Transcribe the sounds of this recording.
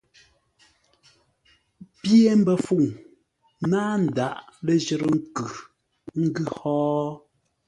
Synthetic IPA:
pje˦m̩˦bɛ˦fu˦˨ŋ | naː˦n̩˨da˨ʔle˦˨d͡ʒɛ˨ɾə˦ŋ̩˦kʉ˨ | ŋ̩˦ɡʉ˦˨hɔː˦

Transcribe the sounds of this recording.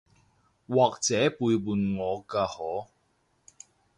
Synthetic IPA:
waː˨k̚t͡sɛː˨˥puː˧jwuː˨˧nŋɔː˨˧kaː˧hɔː˨˥

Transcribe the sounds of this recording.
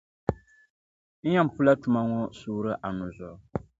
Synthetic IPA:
n̩˦ɲa˦m̩˨pu˦la˦tu˨ma˦ŋɔ˦suː˦ɾɨ˦ʔa˨nu˨zɔ˨ʔ

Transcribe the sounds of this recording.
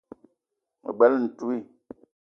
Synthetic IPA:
mə̰˨bɛ˨˦ln̩˨tu˦i˦˨

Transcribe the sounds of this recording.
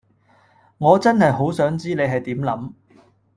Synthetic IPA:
ŋɔː˨˧t͡sɐ˥nhɐ˨jɦo˨˥wsœː˨˥ŋt͡siː˥ne˨˧jɦɐ˨jt̪iː˨˥mlɐ˨˥m

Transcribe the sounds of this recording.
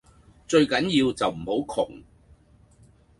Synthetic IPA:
t͡ʃɵ˧ɥkɐ˨˥njiː˧wt͡sɐ˨wm̩˨˩ho˨˥wkʰʊ˨˩ŋ

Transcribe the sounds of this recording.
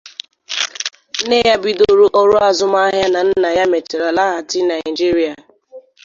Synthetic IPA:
ne˦ja˦bi˦do˦ɾu˦ʔɔ˦ɾu˦a˨zʊ˦ma˦ɦja˦na˨n̩˦na˨ja˦me˨tɪ˨ɾa˨la˦ɣa˨tɪ˦na˨ɪ˨d͡ʒi˦ɾi˦a˨

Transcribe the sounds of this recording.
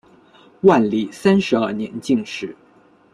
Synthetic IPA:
wa˥˩nli˥˨˩sa˥nʂɻ̩˧˥ə˥˩njɛ̰˧˥nt͡ɕi˥˩ŋʂɻ̩˥˧˩

